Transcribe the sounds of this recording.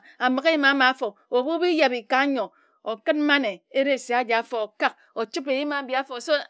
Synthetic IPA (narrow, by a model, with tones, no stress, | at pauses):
a˨mɨ˨ke˦ji˦ma˨a˦ma˨a˦fo˨ | o˨bu˦bi˦ja˨bi˨ka˨˦ɲo˨ | o˨kɨ˦t̚m˦ma˦ne˨e˦ɾe˦˨si˨a˦d͡ʒa˨a˦fo˨o˨ka˦k̚ | o˨t͡ʃi˦pe˨ji˦ma˨˦bji˨˦a˦fo˨so˦